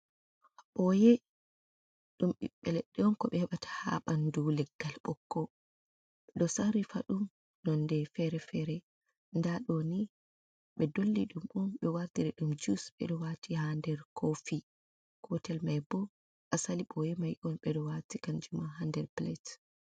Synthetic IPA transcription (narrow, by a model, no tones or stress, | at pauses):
ɓɔjɛ | ɗumɓḭɓːɛlɛɗːɛɔnkɔɓɛhɛɓatʰḁha̰ɓandulɛɡ̥ːalɓɔkːɔ | ɗɔsaɾifaɗum | nɔndɛfɛɾɛfɛɾɛ | ndaɗoni | ɓɛdolːiɗumʔumɓɛwaɾdiɾɛɗumd͡ʒusɓɛ̰ɗɔwatʰihandɛɾkʰofi | kʰɔtɛlmajbɔ | ʔasaliɓɔjɛmajʔɔnɓɛɗɔwatikand͡ʒumaɦandɛɾplɛt